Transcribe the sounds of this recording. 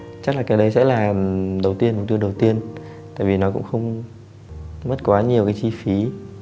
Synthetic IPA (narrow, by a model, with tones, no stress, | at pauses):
t͡ɕa˦˥k̚laː˨˩ka˨˦ɗə˨˦jsɛ̰˧˥laː˨˩ɗə˨˩wt̪i˧ən̚˨˩t̪i˧ənɗə˨˩wt̪i˧ən | t̪a̰ː˧˨vi˨˩nɔ˨˦kʊ̰˧˥ŋ͡mxə˧wŋ͡m | mə˦˥t̚kwaː˨˦ɲi˨˩əwkaː˨˦jt͡ɕi˧fi˨˦